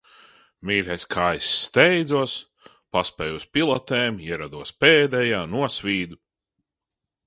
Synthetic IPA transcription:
miːɾʲɛjskʰaːjsːt̪ɛjd̪zuɔs | paspɛːjuspilˠɔt̪eːmiɛɾad̪uɔspɛːd̪ɛjaːnuɔsvʲiːd̪u

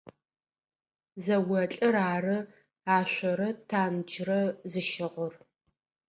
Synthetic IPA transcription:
zɐwɐt͡ɬʼɐɾaːrɨ | aːɕʷɔɾɐtʰaːnd͡ʒrɐzɨʃɪʁʷʊr

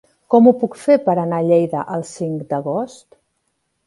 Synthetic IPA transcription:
kɔmupukfepəɾənaʎejðəʔəlˠsiŋkd̪əɣost̪

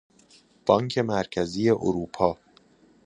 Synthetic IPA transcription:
b̥ɒːŋkʰe̞mæɾcʰæziːje̞ʔo̰ɾuːpʰɒː

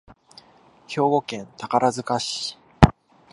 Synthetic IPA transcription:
ço̞ːɡo̞kẽ̞nt̪akaɾazɨkaɕi̥

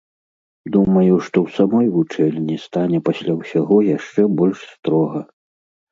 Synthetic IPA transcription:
d̪umɐjuʂt̪ɔwsamɔjvut͡ʂɛlʲnʲist̪anʲɛpasʲlʲawsʲaɣɔjaʂt͡ʂɛbɔlʲʂst̪ɾɔɣɐ

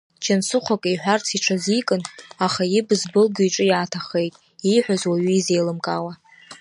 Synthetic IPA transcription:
d͡ʒʰansɨχʷakʼiħᶣʷart͡sʰiʈ͡ʂʰazikʼɨnaχajɪbzbɨlɡiʈ͡ʂʼɨjaːtʰaχejtʼ | iħʷᶣazwaɥiize̞jlɨmkʼa̰wa

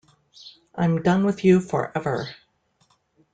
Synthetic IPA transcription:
ʔãɪ̃mdʌ̃nwɨðjʉfə̰˞ʔɛvə˞

